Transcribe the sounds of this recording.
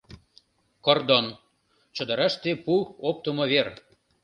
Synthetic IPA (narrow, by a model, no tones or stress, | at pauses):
kord̪on | t͡ɕə̆d̪ə̆ɾɑʃt̪epuop̚t̪əmoβer